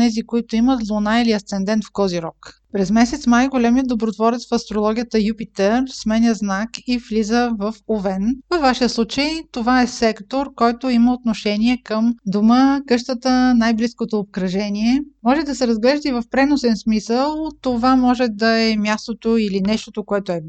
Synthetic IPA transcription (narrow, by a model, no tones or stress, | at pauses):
nɛzikoit̪ʊimət̪lˠonailiɐst̪sɛnd̪ɛnt̪fkɔziɾɔk | pɾɛzmɛsɛt̪smajɡolɛmiəd̪obɾot̪vɔɾɛt̪sfɐst̪ɾolˠɔɡʲijət̪əjupit̪ɛɾsmɛnʲəznakiflizəvəfovɛnvəfvaʃiəslˠut͡ʃəjt̪ovaɛsɛkt̪oɾkɔjt̪oiməot̪noʃɛniɛkəmd̪oməkɤʃt̪ət̪ənajbliskot̪oːp̚kɾɐʒɛniɛmɔʒɛd̪ɐsɛɾɐzɡlɛʒd̪əivəfpɾɛnosɛnsmisəlˠt̪ovamɔʒɛd̪ɐɛmʲjast̪ot̪oilinɛʃt̪ot̪okoɛt̪oɛ